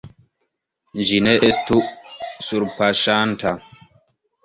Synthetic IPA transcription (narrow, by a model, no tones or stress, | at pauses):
nd͡ʒinɛʔestusuɾpaʃantʰa